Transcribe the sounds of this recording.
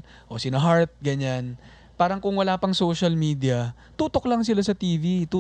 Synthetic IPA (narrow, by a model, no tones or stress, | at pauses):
ʔo̞sɪnaɦaɹt̪̚ɡɐɲan | paːɾɐŋkʊŋwɐlaːpɐŋsoːʃɐlmiːd̪ɪɐ | t̪uːt̪oklɐŋsɪlasɐt̪iːvit̪uː